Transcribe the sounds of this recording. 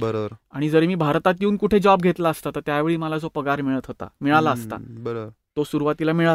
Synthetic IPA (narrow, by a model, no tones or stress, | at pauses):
bəɾəɾaɽ̃id͡zəɾemiːbʱaɾt̪at̪jeuːnkuʈʰed͡zɔb̚ɡʱet̪laəst̪at̪ət̪jaʋeɭiːməlad͡zopəɡaɾmiɭət̪ɦot̪a̰miɭalaəst̪a̰bəɾ | t̪osuɾuʋat̪ilamiɭa